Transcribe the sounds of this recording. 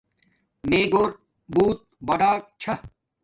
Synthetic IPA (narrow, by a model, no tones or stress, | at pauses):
meːɡoːɾ | buːt̪̚bɐɖaːk̚t͡ɕʰɐ